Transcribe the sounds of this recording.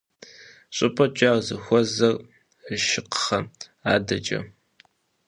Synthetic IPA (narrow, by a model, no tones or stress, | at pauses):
ɕʼɨpʼɐt͡ʃʼaːrzɨxʷɔzɐr | əʃɪqə̥χɐ | aːdɐt͡ʃʼɐ̰